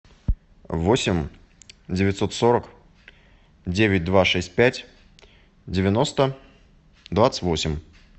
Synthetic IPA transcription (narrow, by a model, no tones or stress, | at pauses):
vosʲɪmʲ | dʲɪvʲɪt̪ʲso̞t̪so̞ɾək | dʲevʲɪt̚ʲd̪vaʂɛsʲt̚ʲpʲætʲ | dʲɪvʲɪno̞st̪ə | d̪vat̪sɨ̥tʲvo̞sʲɪmʲ